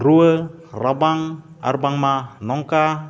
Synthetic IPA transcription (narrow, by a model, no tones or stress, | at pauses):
ɾuwəɾabaŋ | a̰ɾbaŋmanɔŋka